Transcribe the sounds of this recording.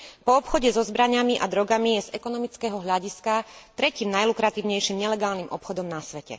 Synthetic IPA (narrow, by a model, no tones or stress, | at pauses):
pɔːpxɔɟɛzɔzbɾaɲamiʔa̰d̪ɾɔɡamijɛz̥ɛkɔnɔmit͡skɛɦɔɦʎaɟiskat̪ɾɛciːmnajlukɾat̪iːʊɲɛjʃimɲɛlɛɡaːlnimʔɔpxɔd̪ɔmnasʋɛcɛ̰